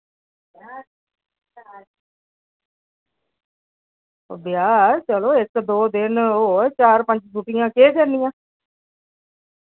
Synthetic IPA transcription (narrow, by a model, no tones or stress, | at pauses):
o̰ːbɪjaːt͡ʃəloːɪkd̪oːd̪ɪnoːt͡ʃaːɾpə̃ɲd͡ʒbʱuʈɪjãːkeːkəɾnijãː